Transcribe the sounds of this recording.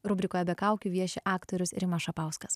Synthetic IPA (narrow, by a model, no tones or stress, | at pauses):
ɾʊbʲɾʲɪkoːjɛbʲɛkɑˑʊkʲuːʋʲiɛʃʲɛʔɑːkt̪oːɾʲʊsɾʲɪmɐʃɐpɑˑʊskɐs